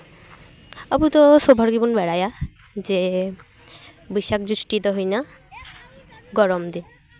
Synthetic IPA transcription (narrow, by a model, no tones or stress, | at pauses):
abut̪osobʱaɾɡibunbɛɽaja | d͡ʑe | biʃak̚d͡ʑuʃʈit̪oɦojna | ɡɔɾomd̪in